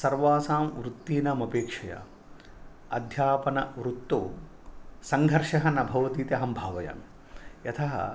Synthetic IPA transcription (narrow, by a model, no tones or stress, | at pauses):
sɐɾʋaːsaːmʋɾut̪ːiːnaːmɐpeːkʂɐjɐ̰ | ɐd̪ʱjaːpɐnɐʋɾut̪ːoː | sɐŋɡʱɐɾʃɐɦɐnɐbʱɐʋɐt̪iːt̪ɐɦɐmbʱaːʋɐjɐ̰ːm | jɐt̪ʰɐɦɐ̰